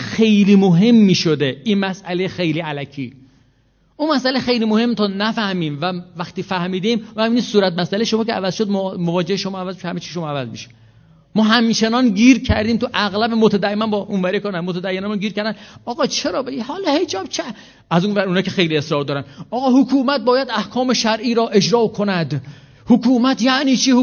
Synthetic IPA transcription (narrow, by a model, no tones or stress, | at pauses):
xe̞jliːmoɦe̞mːiːʃod̪einmæsʔælexe̞jliːælækʰiː | ʔunmæsʔælejxe̞jliːmohe̞mːt̪ʰɒːnæfæhmiːmvævæxt̪iːfæhmiːd̪eiːmæmiːniːd̪suːɾæt̪̚mæsæleʃomɒːcʰeævæzʃod̪mmovɒːd͡ʒeheʃomɒːævæzmʃhæmet͡ʃʰiʃ̬omɒːævæzmiʃe̥ | mɒːɦæmt͡ʃʰe̞nɒnɟiːɾcʰæɾd̪iːmt̪ʰuʔæɣlæbemot̪ʰæd̪æemænbɒːʔunvæɾekʰonænmot̪ʰæd̪æjːenæmunɡiːɾkʰæɾd̪ænɒːɣɒːt͡ʃʰe̞ɾɒːbeɡihɒːlɒːhe̞d͡ʒɒːb̥̚t͡ʃʰe | æzunvæɾunɒːcʰe̞xejliesɾɒːɾd̪ɒːɾænɒːɣɒːhokʰuːmæt̪̚bɒːjæd̪æhkʰɒːmeʃæɾʔiːɾɒːʔe̞d͡ʒɾɒːkʰonæd̪ | hokʰuːmæt̪ʰjæʔniːt͡ʃʰiːh